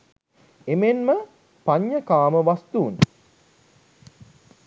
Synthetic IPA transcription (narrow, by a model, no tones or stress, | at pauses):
emenmə | paɲːəkaːməʋast̪uːn